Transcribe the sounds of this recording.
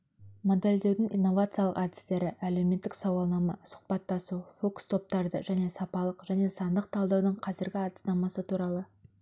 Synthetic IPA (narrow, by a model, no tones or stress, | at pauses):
mo̞d̪e̞ld̪e̞wd̪ɪŋijnːo̞vat̪sɨjaləqɑd̪ɪ̥st̪e̞ɾɪʔæle̞wme̞t̪ːɪksɑwɑlˠnɑmɑsʊ̥qpɑt̪ːɑsufo̞kst̪ʰo̞p̚t̪ɑɾd̪əʒæne̞sɑpɑlˠəqʒæne̞sɑnd̪əq̚t̪ʰɑlˠd̪ɑwd̪əɴqʰɑzɪɾɡʲɪɑt̪ənɑmɑsət̪ʰuɾɑlˠə